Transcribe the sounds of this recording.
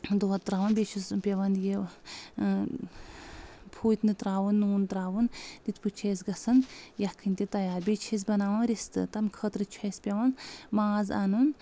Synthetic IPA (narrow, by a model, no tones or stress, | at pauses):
d̪oɐt̪t̪ːɾaːʋɐnbʲet͡ʃʰuspʲeʋɐnd̪je | pʰuːt̪ʲnɨt̪ɾaːʋunːuːnt̪ɾaːʋund̪it̪put͡ʃʰeːsɡɐsɐnjɐkʰɨnʲt̪ʲit̪ɐjaːɾbʲeːt͡ʃʰes̬bɐnaːʋɐnɾist̪ɨ̰t̪ɐmkʰəːt̪ɾɨt͡ʃʰɐspʲeʋɐnmaːza̰nun